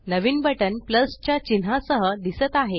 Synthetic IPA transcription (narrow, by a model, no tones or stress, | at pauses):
nəʋiːnbəʈənpləst͡ɕjat͡ɕinasəɦəd̪isət̪aɦe